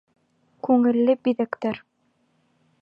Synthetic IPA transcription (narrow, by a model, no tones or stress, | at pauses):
kʉŋɘ̆lːɘbiðækt̪æɾ